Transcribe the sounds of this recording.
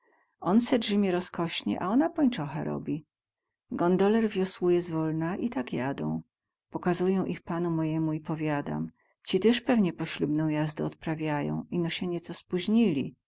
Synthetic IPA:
ɔnsɛdʐɘmʲɛɾɔskɔɕɲɛ̰ʔa̰ɔnapɔɲt͡ʂɔxɛ̰ɾɔ̰bʲi | ɡɔnd̪ɔlɛɾvʲjɔswujɛzvɔlnaʔit̪akjad̪ɔ̰̃w̃ | pɔkazujɔ̃w̃ʔixpanumɔjɛmuipɔvʲjad̪a̰m | t͡ɕit̪ɛʂpɛvɲɛpɔɕlʲubnɔ̃w̃jazd̪ɛɔt̪pɾavʲjajɔ̰̃w̃inɔɕɛɲɛt̪sɔspuʑɲilʲḭ

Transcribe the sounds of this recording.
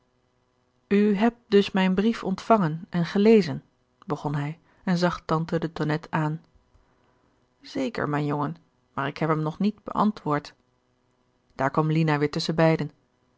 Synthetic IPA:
yɦɛp̚t̚dɵsmɛjnbrifɔntfɑŋənɛnχəlejzən | bəχɔnɦɛj | ɛnzɑχtɑntədətɔnɛtʰaːn | z̥ejkə̰ɹmɛjnjoŋən | maːɹɪkɦɛpəmnɔχnidb̥ə̰ʔɑ̰ntʋʊːɹt | d̥aːɹkʋɑmlinaʋɪːɹtɵsənbɛjdən

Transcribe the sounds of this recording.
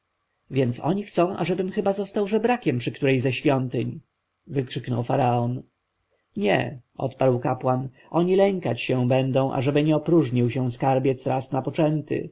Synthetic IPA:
vʲjɛnt̪sɔ̰ɲixt̪sɔ̃w̃ʔa̰ʐɛbɘmxɘbazɔst̪awʐɛbɾakʲɛmpʂɘkt̪uɾɛjzɛɕfʲjɔnt̪ɘɲ | vɘkʂɘknɔ̰wfaɾaɔn | ɲɛ̰ʔɔ̰t̪paɾwkapwan | ʔɔɲilɛŋkat͡ɕɕɛ̃w̃bɛnd̪ɔ̃w̃ʔa̰ʐɛbɘɲɛɔpɾuʐɲiwɕɛw̃skaɾbʲjɛt̪sɾasnapɔt͡ʂɛnt̪ɘ̰

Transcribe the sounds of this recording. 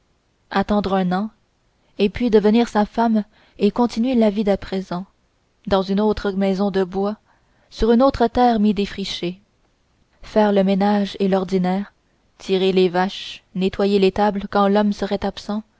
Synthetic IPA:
at̪ɑ̃d̪ʁɛ̃nɑ̃ | epɥid̪əvəniːʁsafam | ekɔ̃t̪inɥelavid̪apχezɑ̃ | d̪ɑ̃zynot̪χəmɛzɔ̃d̪əbwa | syʁynot̪χət̪ɛːʁmid̪efʁiʃe | fɛːʁləmenaʒelɔʁd̪inɛːʁ | t̪ʰiʁelevaʃnet̪wajelet̪ablkɑ̃lɔmsəʁɛt̪apsɑ̃

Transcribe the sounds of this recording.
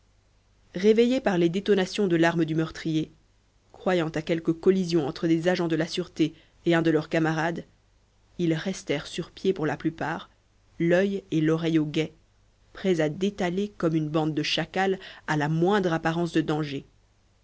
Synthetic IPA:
ʁevejepaʁled̪et̪ɔnasjɔ̃d̪əlaʁməd̪ymœʁt̪χije | kχwajɑ̃t̪akʲɛlkəkɔlizjɔ̃ɑ̃t̪χəlezaʒɑ̃d̪əlasyʁt̪eː | ɛ̃d̪əlœʁkamaʁad̪ | ilʁɛst̪ɛʁsyʁpjepuʁlaplypaːʁ | lœjelɔʁɛjoɡɛ | pχɛzad̪et̪alekɔmynbɑ̃d̪̚ːəʃakalalamwɛ̃d̪ʁapaʁɑ̃sd̪əd̪ɑ̃ʒe

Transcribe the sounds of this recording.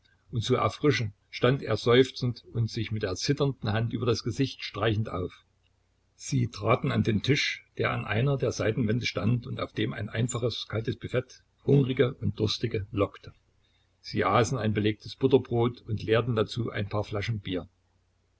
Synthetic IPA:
ʔʊntt͡suʔɛ̰ɐfʁ̥ɪʃn̩ | ʃtantḛːɐzɔʏft͡sn̩tʊntz̥ɪçmɪtd̥eːɐt͡sɪtɐndn̩hantʔyːbɐdasɡ̥əzɪçtʃtʁ̥aɪçn̩tʔa̰ʊf | z̥iːtʁ̥aːtn̩andeːmntʰɪʃd̥eːɐa̰nʔa̰ɪnɐdeːɐzaɪtn̩vɛndəʃtantʊnta̰ʊfd̥eːma̰ɪnʔa̰ɪnfaχəskʰaltəsb̥yfɛt | hʊŋʁɪɡəʔʊnt̚d̥ʊɐstɪɡəlɔktʰə | z̥iːʔaːsn̩aɪnbəleːk̚tʰəsb̥ʊtɐbʁoːtʊntleːɐtn̩dat͡suːʔa̰ɪnpʰaːɐflaʃn̩biːɐ

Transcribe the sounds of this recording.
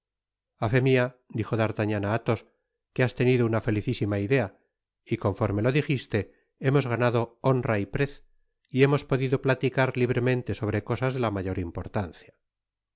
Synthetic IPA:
afe̞mia | d̪ixo̞ðaɾt̪aɲanaat̪o̞s | keast̪e̞niðounafe̞liθisimaiðe̞a | iko̞ɱfo̞ɾme̞lo̞ðixist̪e̞ | e̞mo̞zɣanaðo̞o̞nraipɾeθ | ie̞mo̞spo̞ðiðo̞plat̪ikaɾliβɾe̞mẽ̞nt̪e̞so̞β̞ɾe̞ko̞sazðe̞lamaʝo̞ɾimpo̞ɾt̪an̟θja

